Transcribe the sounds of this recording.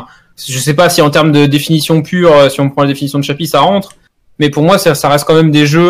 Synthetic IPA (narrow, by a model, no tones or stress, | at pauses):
ʒəsɛpasiɑ̃t̪ɛʁmd̪əd̪efinisjɔ̃pʰyːʁøsiɔ̃pχɑ̃lad̪efinisjɔ̃d̪əʃapisaʁɑ̃t̪χ | mɛpuʁmwasɛsaʁɛst̪̚kɑ̃mɛmd̪eʒø